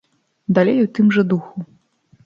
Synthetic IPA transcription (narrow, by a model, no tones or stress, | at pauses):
d̪alʲejut̪ɨmʐɐd̪uxu